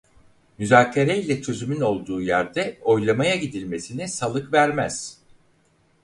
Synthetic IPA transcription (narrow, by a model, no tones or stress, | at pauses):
myzaːcʰeɾejlʲɛt͡ʃʰø̞zymyno̞lˠd̪uːjæɾd̪ɛo̞jlˠamajaɟid̪ilʲme̞sinisalˠɯkvæɾmæz̥